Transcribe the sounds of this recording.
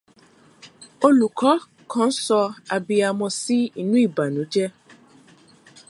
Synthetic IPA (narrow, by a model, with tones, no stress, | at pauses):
o˧lu˨kʰɔ˨˦ | kʰɔ̃˦n̩˦sɔ˧a˨bi˧a˨mɔ̃˧si˦i˦nũ˦i˦˨ba˨nũ˨˦d͡ʒɛ˦